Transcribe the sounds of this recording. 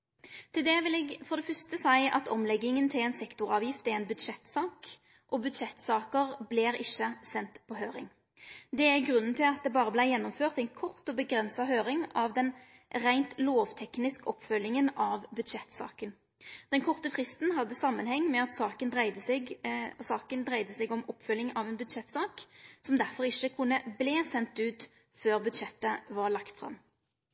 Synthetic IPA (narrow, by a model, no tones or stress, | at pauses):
t̪ʰɪld̪ɛʋɪlɛɡfɔʁd̪ɛfœʁst̪əsæɪʔɑ̰t̪ʰɔ̰mlɛɡːɪŋənt̪ʰɪlɛːnsɛkt̪ʊʁɑːʋjɪft̪æɛɾɛɪnbʉd̪ʂɛt̪sɑːk | ʔɔbʉd̪ʃɛt̪ːsɑːkəʁblɛɾɪçːəsɛnt̪pʰɔɦøːɾɪ̰ŋ | d̪ɛæɾɡʁʉnːən̩t̪ʰɪlɑt̪̚d̪ɛbɑːʁəblæɪjɛnːɔmføːʁt̪æɪnkʰɔʁt̪ɔbəɡɾɛnsɑɦøːɾɪŋɑʋd̪ɛn | ʁæɪnt̪loːʋt̪ʰɛknɪskəɔpːfœlːɪŋənɑʋbʉd̪ʃɛt̪ːsɑ̰ːkən | d̪̥ɛnkʰɔʁt̪əfʁɪst̪nhɑd̪ːəsɑmːənhɛŋːmɛɑt̪sɑːkənd̪ʁæɪd̪ə | sɑːkənd̪ʁæɪd̪əsɛɡɔmɔpːfœljɪŋɑʋɛːnbʉd̪ʃɛt̪ːsɑːksɔmd̪æʁfɔɾɪʃːəkʰʊnːəblɛːsɛnt̪ʉːt̪ | føːʁbʉd̪ʃɛt̪ːəʋɑʁlɑkt̪fʁɑ̰mː